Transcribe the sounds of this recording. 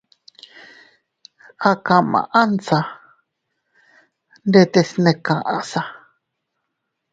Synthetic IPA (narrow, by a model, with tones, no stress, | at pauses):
a˧kã˨mã̰˨ʔa˦nsa˧ | nde˧t̪e˧snẽ˧kã˨ʔã̰˧sa˧